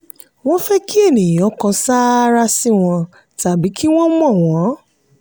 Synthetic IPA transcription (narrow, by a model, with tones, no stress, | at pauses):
w̃ɔ̃˦fɛ˦ki˦e˦˨nĩ˨jɔ̃˨˦kã˧sa˦ɾa˦si˦w̃ɔ̃˧ | ta˨bi˨˦ki˦w̃ɔ̃˦mɔ̃˦˨w̃ɔ̃˨˦